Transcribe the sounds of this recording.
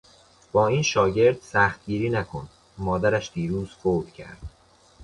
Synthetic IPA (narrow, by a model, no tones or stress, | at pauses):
b̥ɒːiːnʃɒːɟe̞ɾd̪̥sæxt̪̚ɟiːɾiːnækʰon | mɒːd̪æɾæʃd̪̥iːɾuːz̥foːd̪̥cʰæ̰ɾd̪̥